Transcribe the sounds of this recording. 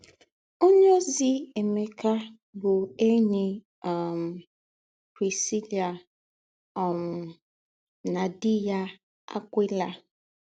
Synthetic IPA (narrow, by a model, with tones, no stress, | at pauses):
o˦ɲ˦o˦zi˦e˨me˨ka˦ | bʊ˨e˦ɲe˦˨ | m̩˨ | pɾi˨si˦li˨a˨ | ɔ˨m̩˨ | na˨dɪ˦ja˦ | a̰˦kʷi˦la˨